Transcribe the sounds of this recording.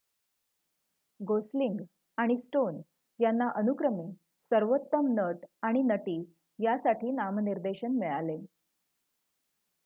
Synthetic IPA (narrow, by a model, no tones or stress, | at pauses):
ɡosliŋɡ | aɽ̃isʈon | janːaʔənukɾəme | səɾʋot̪ːəmnəʈaɽ̃inəʈiː | jasaʈʰiːnamniɾd̪eɕənmeɭale